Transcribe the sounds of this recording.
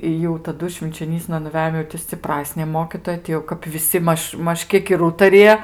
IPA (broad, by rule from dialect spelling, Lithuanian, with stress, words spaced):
ɪ jɛʊ tɐˈdʊ ʃʲʋʲɪnʲt͡ʃʲoːˈnʲiːsnɐ nʊˈʋʲæːjoːm jɛʊ tʲɪ sʲt͡sʲɪˈprɑːsʲnʲeː ˈmoːkʲiːtoːjɛ tʲɪ jɛʊ kɐp ʋʲɪˈsʲɪ ˈmɐʃ ˈmɐʃ ˈkʲiɛk ɪr ˈuːtɐrʲɪjɛ